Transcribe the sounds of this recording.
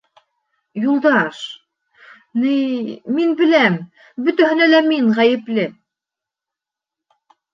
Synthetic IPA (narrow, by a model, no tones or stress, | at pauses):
julˠd̪ɑʃ | nɘjːinbɘ̆læm | bɵ̆t̪æɦɘ̆nælæmiŋʁæjɘ̆plɘ